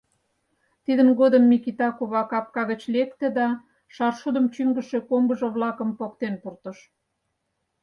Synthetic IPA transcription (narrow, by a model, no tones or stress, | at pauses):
t̪id̪ənɣod̪əmːikit̪ɑkuβɑkɑp̚kɑɣət͡ɕlekt̪ĕd̪ɑ | ʃɑrʃud̪ə̆mt͡ɕyŋɡə̆ʃekombəʒə̆βlɑkə̆mpok̚t̪enpurt̪ə̆ʃ